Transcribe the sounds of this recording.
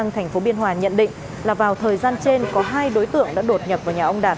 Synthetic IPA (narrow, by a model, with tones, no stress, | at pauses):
ŋt̪ʰɛ˨˩jŋ̟fo˨˦ɓi˧ənɦwaː˨˩ɲə̰˧˨nɗḭ̈˧˨ŋ̟ | laː˨˩vaː˨˩wt̪ʰəː˨˩jzaː˧nt͡ɕe˧nkɔ˨˦ɦaː˧jɗo˨˦jt̪ɨ̰˧˨əŋɗa̰ː˧˥ɗo˨˩t̚ɲə˨˩p̚vaː˨˩wɲaː˨˩ʔə˧wŋ͡mɗaː˨˩t̚